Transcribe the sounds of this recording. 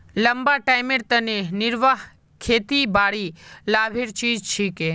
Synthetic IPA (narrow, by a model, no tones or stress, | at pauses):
ləmbaʈajmeɾt̪ənenɪɾʋaɦ | kʰet̪ibaɽilabʱeɾt͡ʃiːd͡ʒt͡ʃʰike